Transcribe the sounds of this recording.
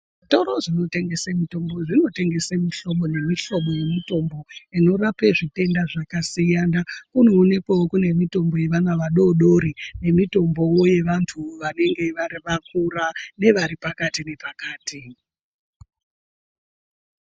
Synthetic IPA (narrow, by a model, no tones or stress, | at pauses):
ʐito̞ɾoʐino̞te̞ŋɡe̞semito̞mbo̞ʐino̞te̞ŋɡe̞semiɬo̞ɓo̞ne̞miɬo̞ɓo̞je̞mito̞mbo̞ino̞rapeʐite̞ndaʐakasijanakuno̞ːne̞kwawokune̞mito̞mbo̞je̞ʋanaʋaɗo̞ɗo̞ɾine̞mito̞mbo̞woje̞ʋantʰuʋane̞ŋɡe̞ʋariʋak̚urane̞ʋaɾipakatine̞pakaːti